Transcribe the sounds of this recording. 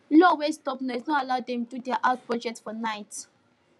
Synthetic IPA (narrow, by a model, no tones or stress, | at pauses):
lɔwestɔpnɛsnɔalaʊdɛ̃mdudɛaʔat̚pɹɔd͡ʒɛk̚tfɔnajt